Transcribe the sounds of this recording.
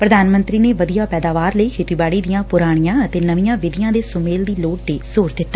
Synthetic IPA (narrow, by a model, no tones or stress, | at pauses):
pɾəd̪aːnmənt̪ɾiːneːʋəd̪ijaːpɛːd̪aːʋaːɾləiːkʰeːt̪iːbaːɽiːd̪ijãːpʊɾaːɽ̃ijãːət̪eːnəʋɪjãːʋɪd̪ijãːd̪eːsʊmeːld̪iːloːʈ̚d̪eːsoːɾd̪ɪt̪ːaː